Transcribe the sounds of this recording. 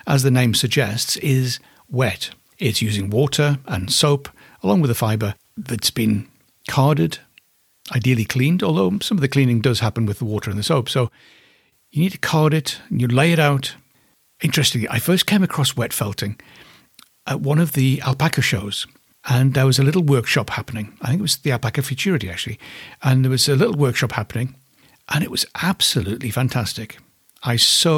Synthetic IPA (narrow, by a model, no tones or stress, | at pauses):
əzðɨnẽɪ̃msɨɡ̚d͡ʒɛstsɪz | wɛt | ɪtsjʉzɪ̃ŋwɔɾə˞ə̃nsoʊpʰ | əlɔ̃ŋwɨðəfaɪbə˞ | ðɨtsb̥ɨ̃n | kʰɑɹɾɨd | aɪdil̩ˠikʰl̥ĩndɔlˠðoʊsʌ̃mʌvðɨkʰl̥ĩnɪ̃ŋdʌz̥hæpə̃n̩wɨðəwɔɾə˞ɨ̃nðɨsoʊpsoʊ | jɨnid̚tʰɨ̥kʰɑɹɾɨtn̩jɨleɪɨɾaʊt | ɪ̃nt͡ʃɹ̥ɛstɪ̃ŋliʔa̰ɪfɜ˞skʰẽɪ̃mɨkʰɹ̥ɔswɛtfɛlˠtɪ̃ŋ | ʔəʔ̚wʌ̃nʌvðiæ̰lˠpʰakʰoʊʃoʊz̥ | əɨ̃nðə˞wʌzəlɪɾl̩ˠwɜ˞kʃɑphapənɪ̃ŋaɪθɪ̃ŋkɪt̚wʌzðiælˠpækɨʊfɨtʰʊɹɨɾiæ̰k̚t͡ʃʉl̩ˠiɨ̃nðə˞wʌzɨlɪɾl̩ˠwɜ˞kʃɑphapənɪ̃ŋ | ʔɨ̃ñɨʔ̚wʌz̥ʔæb̥səlʉtˡlifæ̃ntʰæstɪk | aɪsoʊ